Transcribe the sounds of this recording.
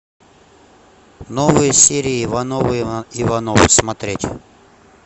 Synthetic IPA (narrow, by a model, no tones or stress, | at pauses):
novɨjəsʲeɾʲɪivɐnovɨivɐnovɨ̰smɐt̪ɾʲetʲɪ